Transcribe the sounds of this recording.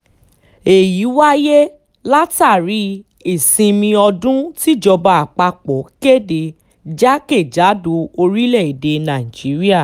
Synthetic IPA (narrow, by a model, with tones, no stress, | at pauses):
e˨ji˨˦wa˦je˦ | la˦ta˦˨ɾi˨˦ | e˦˨sĩ˧mĩ˧ɔ˧dũ˦ti˦˨d͡ʒɔ˧ba˧a˨k͡pa˧k͡pɔ˨˦ke˦˨de˨ | d͡ʒa˦ke˦˨d͡ʒa˨˦do˨˦o˧ɾi˦lɛ˦˨i˨de˧nã˨i˨d͡ʒi˨˦ɾi˦a˦˨